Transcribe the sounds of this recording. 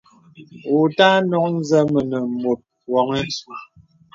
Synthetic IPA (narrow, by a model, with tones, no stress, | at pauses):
o˨ta˦nɔ˦kn̩˦zə˦mə˨nə˨m˨mo˨t̚ | wɔ˨ŋɛ˦n˦su˦